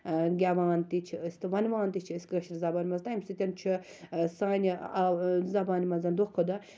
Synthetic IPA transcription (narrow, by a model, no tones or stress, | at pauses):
ɡʲaʋaːnt̪it͡ʃʰist̪ɨʋɐnʋaːnt̪it͡ʃʰiskɐʃɾzɐbaːnʲimɐnzt̪aːimst̪ɨt̪ʲɐnt͡ʃʰi | saːnʲi | zɐbaːnʲimɐnzɐnd̪okʰod̪ɐ